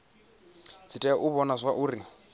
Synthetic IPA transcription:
d͡zʰitʼɛʔuβɔnazʷaʔuːɾi

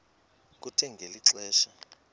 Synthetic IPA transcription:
k̬utʰɛŋɡʱeliǀɛːʃa

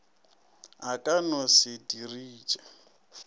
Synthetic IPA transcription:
akʼanɔsɪdiriːt͡ʃʼa

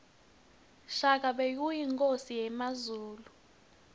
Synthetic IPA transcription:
ʃak̬ʰʼaɓejujiŋkʼosijɛmazuːlu

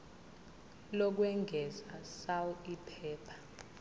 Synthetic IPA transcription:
lɔk̬wɛŋɡʱɛzasawuipʰɛːpʰḁ

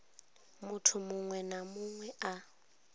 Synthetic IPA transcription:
mʊtʰʊmʊŋwɛnamʊŋwɛʔa

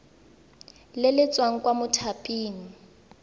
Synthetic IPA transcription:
lɪlɪt͡sʼwaŋ̩kwamʊtʰapʼiːŋ̩

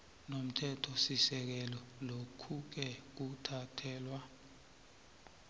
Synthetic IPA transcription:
nom̩tʰɛtʰɔsisɛk̬ɛlɔlokʰuk̬ɛk̬utʰatʰɛːlwa

